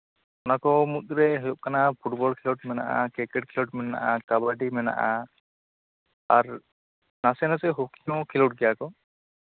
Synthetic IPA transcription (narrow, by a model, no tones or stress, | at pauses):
ɔnakɔmut̪̚ɾɛɦɔjɔp̚kanapʰuʈbɔlkʰilɔʈ̚mɛna̰ʔa̰kɾikɛʈ̚kʰilɔʈ̚mɛna̰ʔakabaɖimɛna̰ʔa | aɾ | nasɛnasɛɦukiɔ̃kʰilɔʈ̚ɡijakɔ